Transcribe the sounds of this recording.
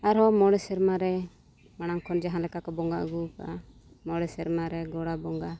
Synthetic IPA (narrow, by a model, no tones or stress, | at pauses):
aɾɦɔmɔɽɛsɛɾmaɾɛ | maɽ̃aŋkʰɔnd͡ʒaɦãlɛkakɔbɔŋɡa̰ʔɡukaa | mɔɽɛsɛɾmaɾɛɡɔɽabɔŋɡa